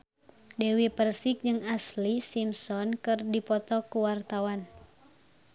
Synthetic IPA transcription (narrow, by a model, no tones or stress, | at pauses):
dɛwipərsik̚d͡ʒɨŋaslisimsɔnkɨrdipɔt̪ɔkuwart̪awan